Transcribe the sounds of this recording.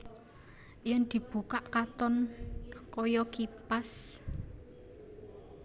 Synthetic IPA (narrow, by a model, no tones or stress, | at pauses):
jənd̪̥i̤b̥ṳkaʔkat̪ɔn | kɔjɔkipas